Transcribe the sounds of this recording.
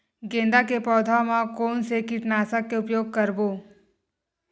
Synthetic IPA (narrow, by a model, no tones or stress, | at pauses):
ɡẽːnd̪akepɔːd̪ʱamãkoːnsekɪʈnaːsakːeʊpjoːɡ̚kəɾboː